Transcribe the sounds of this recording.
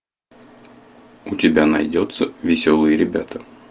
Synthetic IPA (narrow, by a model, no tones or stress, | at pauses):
ut̪ʲɪbʲænɐjd̪ʲot̪sɐvʲɪsʲolˠɨjɪɾʲɪbʲæt̪ɐ